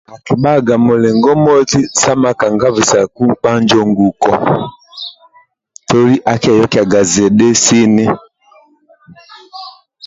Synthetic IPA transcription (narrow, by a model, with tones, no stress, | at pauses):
a˨ki˨ɓa˦˨ɡa˨mo˨lɛ˨ŋɡɔ˦mɔ˦ti˦sa˦ma˨ka˨ŋɡa˦vi˨sa˨ku˦ŋ͡m̩˨k͡pa˦ɲ˦d͡ʒɔ˦ŋɡu˨kɔ˨ | tɔ˦li˦ʔa˨ka˨jɔ˦ki˦˨a˨ɡa˨zɛ˨ɗɛ˦si˦nɛ˦